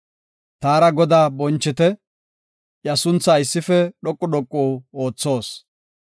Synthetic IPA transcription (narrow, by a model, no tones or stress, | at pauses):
t̪aːɾɐɡɔd̪aːbɔnt͡ʃːɪt̪ɛ | jɐsʊnt͡sːaːɪsːɪfɛɗɔkʼːʊɗɔkʼːuːo̞ːt͡sːo̞ːs